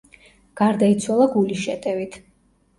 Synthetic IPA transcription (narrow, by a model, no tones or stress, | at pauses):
ɡ̥aɾd̪ait̪sʰwalˠaɡuliʃɛt̪ʼɛvit̪ʰ